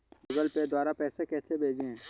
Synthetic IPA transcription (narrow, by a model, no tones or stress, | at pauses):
d͡ʒʊɡəlped̪waːɾapɛːsekɛːsebʱeːd͡ʒẽ